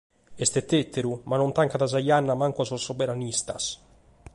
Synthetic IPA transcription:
est̪et̪ːet̪ːeɾumanont̪aŋkad̪azajanːamaŋkuasosobeɾanist̪a̰s

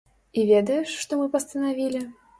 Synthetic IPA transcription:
ivʲɛd̪ɐjɛʂʂt̪ɔmɨpɐst̪ɐnavʲilʲɪ

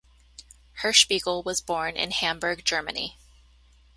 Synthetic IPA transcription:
hə˞ʃpiɡl̩ˠwʌzbɔɹnʔɪ̰̃nhæ̃mbə˞ɡ̚d͡ʒɜ˞mɨnḭ

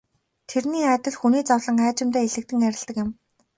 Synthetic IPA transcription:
t̪ʰerniːæːt̪ə̆ɮxuniːt͡sɔwɮə̆ŋæːt͡ɕɪ̆mt̪æːeɮɘ̆k̚t̪ɘ̆ŋæɾʲɪ̆ɮt̪ə̆kjɪ̆m

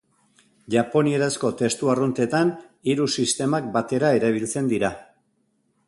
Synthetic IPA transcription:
ʝapo̞nie̞ɾasko̞t̪e̞st̪uarunt̪e̞t̪aniɾusist̪e̞mak̚bat̪e̞ɾae̞ɾaβ̞ilt͡se̞nd̪iɾa

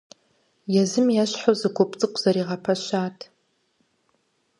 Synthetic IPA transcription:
jazɨmjaʃʷħozɨkʷʰopʼt͡sʼɨkʷʼz̥aɾiʁapʰaʃʷaːtʰʼ

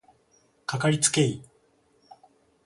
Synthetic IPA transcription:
kakaɾʲit͡sɨ̥ke̞i

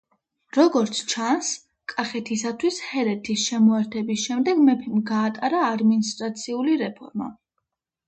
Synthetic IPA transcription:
ɾɔɡɔɾt̪sʰt͡ʃʰans | kʼaχɛt̪ʰisat̪ʰwishɛɾɛt̪ʰisʃɛmɔɛɾt̪ʰɛbisʃɛmd̪ɛɡmɛpʰimɡaːt̪ʼaɾaːd̪minist̪ʼɾat̪sʰiuliɾɛpʰɔ̰ɾma̰

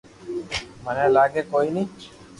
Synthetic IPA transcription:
manelaɡekojni

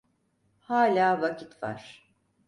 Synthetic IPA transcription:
haːlʲaːvacʰit̪va̰ɾ̥

